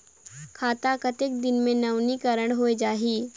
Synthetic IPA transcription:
kʰaːt̪akət̪ɪk̚d̪ɪnmẽnɐʋnikəɾəɽ̃ɦoːed͡ʒaːɦiː

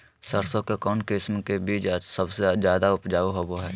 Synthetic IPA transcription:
səɾsokekɔːnkɪsmkebiːt͡ʃad͡ʒsɐbsezjaːd̪aʊpd͡ʒaːoɦoboɦɛː

